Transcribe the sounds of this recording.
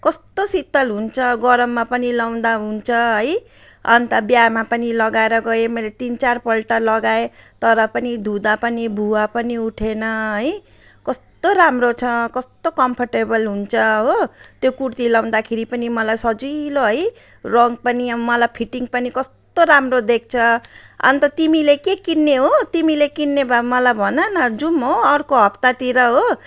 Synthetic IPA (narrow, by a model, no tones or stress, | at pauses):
kʌst̪osit̪ːʌlɦunt͡sʰʌɡʌɾʌmːapʌnilaw̃d̪aɦunt͡sʰʌɦʌj | ʌnt̪abjamapʌnilʌɡaeɾʌɡʌemʌjlet̪int͡sarpʌlʈalʌɡaet̪ʌɾʌpʌnid̪ʱud̪apʌnibʱuwapʌniuʈʰenʌɦʌj | kʌst̪oɾamrot͡sʰʌkʌst̪okʌmpʰʌrʈebʌlɦunt͡sʰʌɦot̪jokuɽt̪ilaw̃nd̪akʰeɾipʌnimʌlajsʌd͡ziloɦʌj | rʌŋɡ̚pʌniʌmʌlajpʰiʈiŋɡpʌnikʌst̪oɾamrod̪ek̚ʰt͡sʰʌʌ̰nt̪ʌt̪imilekekinːeɦot̪imilekinːebʱamʌlajbʱʌnʌnʌd͡zumɦoʌrkoɦʌpt̪at̪iɾʌɦo